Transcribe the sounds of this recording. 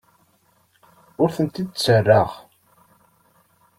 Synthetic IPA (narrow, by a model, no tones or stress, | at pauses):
ʊɾθənt̪id̪̚t͡sːərːaʁ